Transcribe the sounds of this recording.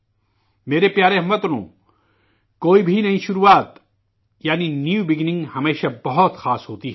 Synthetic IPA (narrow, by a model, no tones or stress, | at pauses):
meːɾepjaːɾeɦɐmɐt̪ɾõ̰ː | koːibʱinɐɦĩʃʊɾuːaːt̪ | jaːninjuːbɪɡnɪ̃ŋɡhɐmeːʃabɐɦɔt̪xaːsɦoːt̪iɦɛ